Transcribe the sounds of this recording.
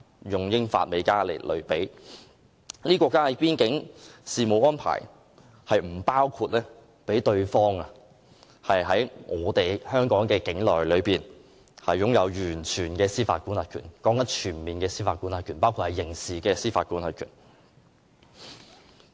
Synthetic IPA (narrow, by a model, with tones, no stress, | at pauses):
jʊ˨˩ŋjɪ˥ŋfa̰ː˧t̚me˨˧˥kaː˥lḛ˨˩lɵ̰˨˩ɥpe˨˥j | niː˥kʷwɔː˧kːaː˥hɐ˨˥jpiː˥nkɪ˨˥ŋsiː˨˧mo˨˧wɔː˥npʰa̰ː˨˩j | hɐ˨jm̩˨˩paː˥wkʰuː˧t̚lɛː˥ | pe˨˥jt̪ɵ˧ɥfɔː˥ŋa˧ | hɐ˨jɦɐ˨˥jŋɔː˨˧t̪e˨jhœː˥ŋkɔː˨˥ŋkɛː˧kɪ˨˥ŋlɔː˨jlɵ˨˧ɥpiː˨n | hɐ˨jːʊ˨˥ŋjɐ˨˧wjyː˨˩nt͡ʃʰyː˨˩nkɛː˧siː˥fa̰ː˧t̚kuː˥nɐ˨˧tkʰy̰ː˨˩nkɔː˨˥ŋɐ˨˥nt͡ʃʰyː˨˩nmiː˨nkɛː˧siː˥faː˧tkuː˥nhɐ˧kʰyː˨˩npaː˥wkʰu˧thɐ˨˩jːɪ˨˩ŋsiː˨kɛː˧siː˥faː˧t̚kuː˨˥nhɐ˨˧t̚kʰyː˨˩n